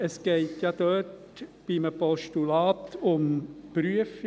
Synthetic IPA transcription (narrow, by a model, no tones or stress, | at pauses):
əsɡ̥ɛɪtjɑd̪̥œːt | b̥iməpɔʃtulɑːt̪ʊmpɾyəfi